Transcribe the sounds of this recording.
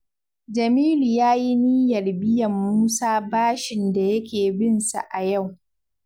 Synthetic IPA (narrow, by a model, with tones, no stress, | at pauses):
d͡ʒɐ˨miː˦lu˨jaː˦ji˦niː˦jɐ˨rbɪ˦jɐ˨mːuː˦saː˦baː˦ʃɪ˨nda˨jɐ˦kʲeː˨bɪ˦nsa̰˨ʔa˨ja˦˨w